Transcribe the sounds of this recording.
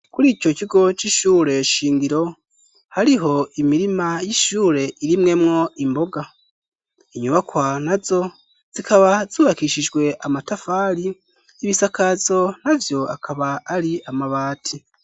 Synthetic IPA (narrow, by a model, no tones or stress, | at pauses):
kuɾiːcociɡo̞t͡ʃiʃuːɾe̞ʃiːŋɡiɾo̞ | haɾiɦo̞imiɾimajiʃuːɾe̞ʔiɾimŋe̞mŋo̞imbo̞ɡa | iɲuβakwanazo̞ | z̥ikaβaz̥uːβakiʃid͡ʒɡwe̞ʔamatafaɾiː | βisakazo̞navjo̞a̰kʰaβaːɾiamaβaːtʰi